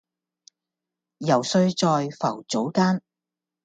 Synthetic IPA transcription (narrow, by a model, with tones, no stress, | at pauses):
jɐ˨˩wsɵ˧ɥt͡sɔː˨˧jfɐ˨˩wt͡so˨˥wkaː˥n